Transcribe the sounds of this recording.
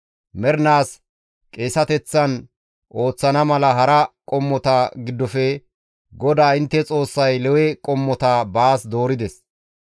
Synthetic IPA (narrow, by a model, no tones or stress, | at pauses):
mɛɾnaːs | kʼe̞ːsɐt̪ɛt͡sːɐn | ʔo̞ːt͡sːɐnɐmɐlɐɦɐɾɐkʼɔmːɔt̪ɐɡɪd̪ːɔfɛ | ɡɔd̪aːɪnt̪ːɛt͡sʼo̞ːsːɐjlɛwɛkʼɔmːɔt̪abaːsd̪o̞ːɾɪd̪ɛs